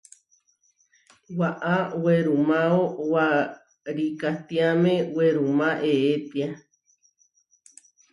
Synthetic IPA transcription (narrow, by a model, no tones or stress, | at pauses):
waʔaweɾumaowa | ɾikat̪iamẽweɾumãʔeet̪ia